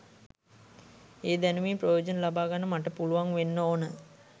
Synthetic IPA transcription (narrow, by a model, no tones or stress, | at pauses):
eːd̪ænuʋiːprojoːd͡ʒənəlabaːɡanːəmaʈəpuluʋaŋʋenːəoːnə